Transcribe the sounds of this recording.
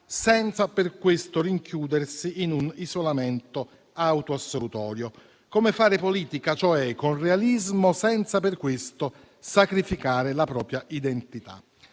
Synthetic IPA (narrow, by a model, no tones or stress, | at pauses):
sɛnt̪saperkwɪst̪oriŋkjuːd̪ersiːnunizolamɛnt̪o | awt̪oasːolut̪ɔːɾjo | komefaːɾɪpoliːt̪ikat͡ʃoɛkːonrealizmosɛnt̪sapɪrkːwɪst̪o | sakɾifikaːɾɪlapɾɔːpɾjaʔid̪ɛnt̪it̪a̰